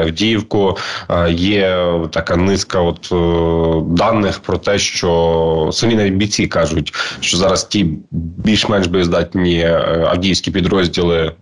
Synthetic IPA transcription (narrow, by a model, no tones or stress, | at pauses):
ɐwdʲijiwkʊ | jɛt̪ɐkɑnɪskɐɔt̪ | d̪ɑnːɪxpɾɔt̪ɛʃt͡ʃɔsɐmʲinɐʋʲid̚ʲbʲit͡sʲikɑʒʊtʲʃt͡ʃɔzɑɾɐstʲibʲilʲʃmɛnʒbɔjʲizd̪ɑtʲnʲiɐ̰wdʲijwsʲkʲipʲid̪ɾɔzʲdʲilˠɪ